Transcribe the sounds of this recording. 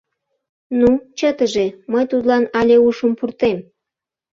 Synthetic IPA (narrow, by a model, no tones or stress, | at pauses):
nut͡ɕət̪əʒeməjt̪ut̪lɑnɑlʲeuʃəmpurt̪em